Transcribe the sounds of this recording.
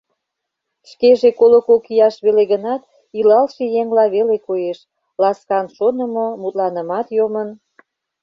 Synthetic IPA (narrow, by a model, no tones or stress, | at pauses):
ʃkeʒekolokokijɑʃβeleɣənɑt̪ | ilɑlʃejeŋlɑβelekojeʃ | lɑskɑnʃonə̆momut̪lɑnəmɑt̪jomən